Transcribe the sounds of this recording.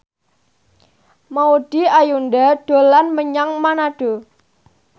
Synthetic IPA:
mauɖ̥iajundaɖ̥o̤lanməɲaŋmanaɖ̥o̤

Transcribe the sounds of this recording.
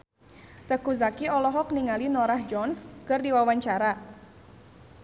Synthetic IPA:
t̪əkuzakiɔlɔɦɔk̚niŋalinɔɾahd͡ʒɔnskərdiwawaɲt͡ʃaɾa

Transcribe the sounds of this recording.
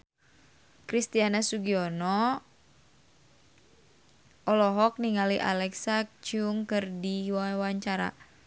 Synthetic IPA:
kɾist̪ianasuɡiɔnɔ | ɔlɔɦɔk̚niŋaliʔa̰lɛksak̚t͡ʃuŋkɨrdiwawaɲt͡ʃaɾa̰

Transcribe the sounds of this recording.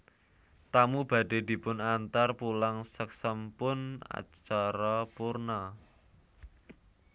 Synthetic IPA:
t̪amub̥ä̤ɖ̥e̤d̪̥i̤pʊnant̪arpulaŋsək̚səmpʊna̰t͡ʃaɾapurna

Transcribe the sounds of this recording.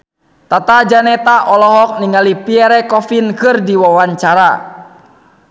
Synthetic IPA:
t̪at̪ad͡ʒanɛt̪aʔɔlɔɦɔk̚niŋalipiɛɾɛkɔfinkɨrdiwawaɲt͡ʃaɾa

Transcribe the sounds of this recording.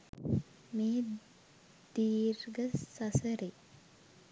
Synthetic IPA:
meː | d̪iːɾɡəsɐsəɾe

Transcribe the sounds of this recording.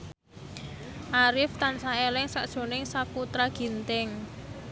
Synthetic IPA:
ʔaɾɪft̪ansaelɪŋsaʔd̥ʒ̥o̤nɪŋsakut̪ɾaɡ̥i̤nt̪ɪŋ

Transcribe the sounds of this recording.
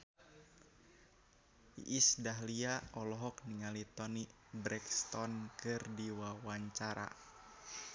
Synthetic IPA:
iʔisdaɦliaɔlɔɦɔk̚niŋalit̪ɔni | bɾɛkst̪ɔnkɨrdiwawaɲt͡ʃaɾa̰

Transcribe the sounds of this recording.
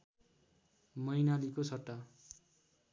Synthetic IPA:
mʌjnalikosʰʌʈːa

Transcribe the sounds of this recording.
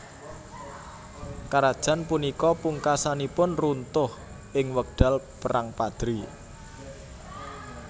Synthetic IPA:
kaɾad̥ʒ̥a̤npunikɔpuŋkasanipʊnrunt̪ʊh | ʔɪŋwək̚ɖ̥a̤lpəɾʔaŋpad̪̥ɾi

